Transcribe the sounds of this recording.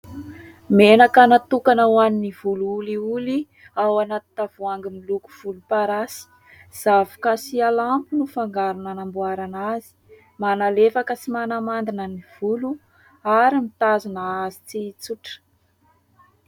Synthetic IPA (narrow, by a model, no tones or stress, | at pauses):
menakanat̪ukanawaniniv̥uluuliuli | awanat̪i̥t̪av̥uaŋɡimiluku̥v̥ulupaɾasi̥ | z̥avukasialampunufaŋɡaɾunanambuaɾanazi̥ | manalefakəsimanamand̪inəniv̥ulu | aɾimit̪azunaazit͡sit͡suʈ͡ʂə̥